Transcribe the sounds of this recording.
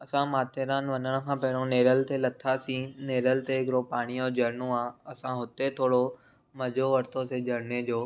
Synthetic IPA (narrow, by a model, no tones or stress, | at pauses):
ɐsãmaːt̪ʰeɾaːnʋɐnəɽ̃ə̆kʰãːpɐɦɪɽ̃õneːɾəlt̪ʰelɐt̪ʰasĩneːɾəlt̪eɪkɾopaːɽ̃iɔːd͡ʑɐɾnõaːɐsãɦʊt̪et̪ʰoːɽo | mɐd͡ʑʱoʋɐɾt̪osed͡ʑɐɾned͡ʑoː